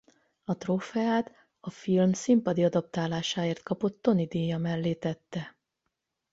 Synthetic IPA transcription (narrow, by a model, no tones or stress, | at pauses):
ɒt̪roːfɛaːt̪ | ɒfilmsimpɒd̪iɒd̪ɒp̚t̪aːlaːʃaːeːrt̪kɒpo̞t̪ːo̞nid̪eːjɒmɛlːeːt̪ɛt̪ːɛ